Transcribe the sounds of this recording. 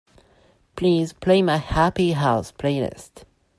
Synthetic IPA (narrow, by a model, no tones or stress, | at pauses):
pʰliːzpʰl̥eɪmaɪhæpiɦaʊspʰl̥eɪnə̰st